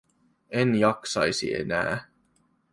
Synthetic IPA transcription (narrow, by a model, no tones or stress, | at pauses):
enjɑksɑjsḭe̞̰næ̰ː